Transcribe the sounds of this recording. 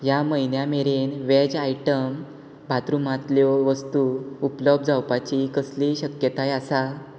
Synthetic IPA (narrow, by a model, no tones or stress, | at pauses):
jaməinjameɾenʋed͡ʑaiʈəm | bʱat̪ɾumat̪ljɔʋəst̪uupləb̚ʱd͡zawpat͡ɕikəsliɕəkjət̪ajasal